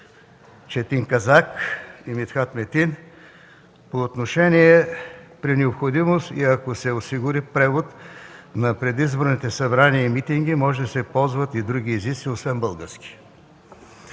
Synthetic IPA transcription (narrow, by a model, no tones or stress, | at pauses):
t͡ʃɛt̪iŋkɐzakimit̪xat̪mɛt̪in | poːt̪noʃɛnʲiɛpɾinɛopxod̪imost̪iɐkosɛosiɡʊɾipɾɛvot̪nɐpɾɛd̪izboɾnit̪ɛsɐbɾaniəimit̪iŋɡʲimɔʒɛd̪ɐsɛpɔlˠzvət̪id̪ɾuɡ̟iːzit̪siosvɛmbəlˠɡəɾskʲi̥